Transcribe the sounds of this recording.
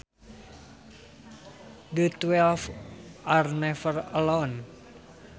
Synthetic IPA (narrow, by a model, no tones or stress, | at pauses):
dət̪wɛlfʔarnɛfərəlon